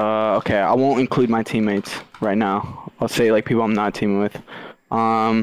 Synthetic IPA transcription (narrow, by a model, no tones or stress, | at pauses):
ʌoʊkʰeɪa̰ɪwõʊ̃ntɨ̃nkʰl̥ʉd̚maɪtʰĩmeɪtsɹaɪtⁿnaʊaɪlˠseɪlaɪk̚pʰipl̩ˠãɪ̃mnəttʰĩmɪ̃ŋwɪð̥ʔʌ̃m